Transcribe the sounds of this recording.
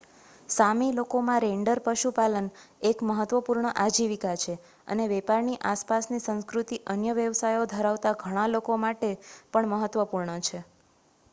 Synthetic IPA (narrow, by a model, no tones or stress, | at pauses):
samilokomãɾeɳɖəɾpəʃupalənekməɦət̪ʋəpuɾɳəʔad͡ʒiʋikat͡ʃʰe | ə̰neʋɛpaɾniʔaspasnisə̃ñskɾut̪iʔənjəʋjəʋsajod̪ʱəɾaʋt̪aɡʱəɽ̃ãlokomaʈepəɳməɦət̪ʋəpuɾɳət͡ʃʰe